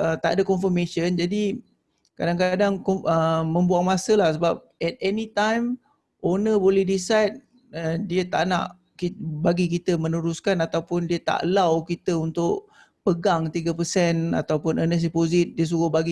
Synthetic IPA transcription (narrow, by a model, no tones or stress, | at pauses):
ət̪a̰ʔdəkɔnfəmẽʃənd͡ʒadi | kadaŋkadaŋkɔəmə̃mbuaŋmasəlahsəbap̚ɛt̪̚ɛnit̪ajm | onəbolɛhdisajd̚ | ədiət̪a̰ʔna̰ʔ | kibaɡikit̪əmənuɾuskanat̪awpʊndiət̪a̰ʔlawkit̪əunt̪ʊʔ | pəɡaŋt̪iɡapəsɛna̰t̪awpʊnʔənəs̬ipozit̪̚diəs̬uɾʊhbaɡi